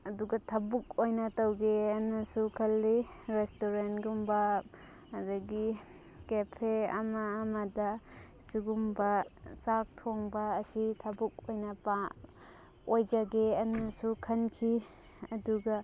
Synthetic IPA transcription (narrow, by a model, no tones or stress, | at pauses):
ɐduɡɐtʰabuk̚ojnɐtawɡeɐnasukʰɐlːiɾestoɾentɡumba | adaɡi | kepʰeɐ̰maːmada | suɡumbɐsak̚tʰoŋbɐːsitʰabuk̚ojnapa | ojd͡ʒaɡeɐnɐsukʰɐnkʰi | ɐduɡa